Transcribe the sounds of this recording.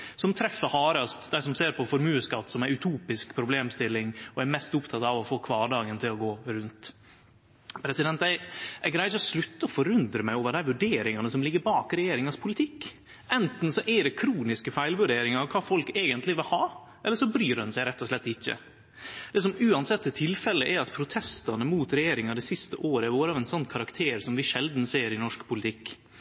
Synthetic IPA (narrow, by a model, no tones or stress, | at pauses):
sɔmt̪ʰɾɛfːəhɑːɾɑst̪d̪æɪsɔmseːɾpʰɔfɔɾmʉːəskɑt̪ːsɔmæɪʉt̪ʰuːpɪskpʰɾʊbleːmst̪ɪlːɪŋɔæɾmɛst̪ʊpt̪ʰɑt̪ɑʋɔfoːkʰʋɑːɖɑːɡənt̪ʰɪlɔɡoːɾʉnt̪ | pʰɾɛsɪd̪ɛnt̪æɪʔæɡɾæɪɔslʉt̪ːəɔfɔɾʉnd̪ɾəmæɪoːʋəɖ̪æɾʋʉɖeːɾɪŋɑnəsɔmlɪɡːəɾbɑːkɾɛjeːɾɪŋɑspʰʊlɪt̪ʰɪkː | ʔɛnt̪n̩sɔʔɛɖɛkʰɾuːnɪskəfæɪlʋʉɖeːɾɪŋɑɑʋkʰɑːfɔlkeːɡənt̪lɪʋɪlhɑː | ʔɛlːəʂɔbɾyːɾɑnsæɪɾɛt̪ːɔʂlɛt̪ːɪçːə̰ | d̪̥ɛs̬ɔmʉːɑnsɛt̪ːət̪ʰɪlfɛlːəʔæɾɑt̪pʰɾʊt̪ʰɛst̪ɑnəmuːt̪ɾɛjeːɾɪŋɑd̪ɛsɪst̪əʔoːɾəæɾʋoːɾɑːʋɛnsɔnːkʰɑɾɑkt̪ʰeːɾsɔmʋɪʂɛld̪n̩seːɾɪnɔʂkpʰʊlɪt̪ʰɪkː